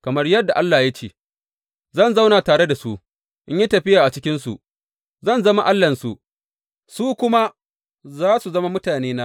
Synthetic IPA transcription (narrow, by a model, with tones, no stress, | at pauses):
kɐ˨mɐ˦rjɐ˦dːa˨ʔa˦lːaː˨ja˦t͡ʃeː˨ | zɐ˦˨nza˦wnaː˨taː˨ɽe˦da˨su˦ | ʔɪ˦ɲji˦tɐ˨ɸɪ˦jaː˨ʔa˨t͡ʃɪ˦kʲɪ˦nsṵ˨ʔ | zɐ˦˨nzɐ˦ma˦ʔa˦lːɐ˨nsṵ˨ʔ | suː˦kʷʊ˦ma˦ | zaː˦su˨zɐ˦ma˦mʊ˦taː˨neː˦naː˦